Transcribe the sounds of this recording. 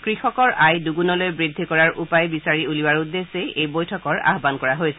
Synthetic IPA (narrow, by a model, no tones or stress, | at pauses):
kɹixɔkɔɹajduɡunɔlojbɹid̪ʱːikɔɹaɹʔupajbisaɹiulibaɹud̪ːeseejbojtʰɔkɔɹa̰ɦbankɔɹaɦojsɛ